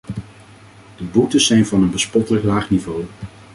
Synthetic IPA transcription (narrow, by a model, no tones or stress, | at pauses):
d̥əbutəzɛjnvɑnənbəspɔtələklaːχnivow